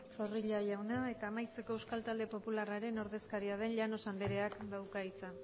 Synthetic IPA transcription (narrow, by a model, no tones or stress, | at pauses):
fo̞riʎaʝawnae̞t̪aːmajt͡se̞ko̞ewskalt̪ald̪e̞po̞pularaɾe̞no̞ɾðe̞skaɾiað̞e̞nʎano̞sand̪eɾe̞akd̪awkait͡sa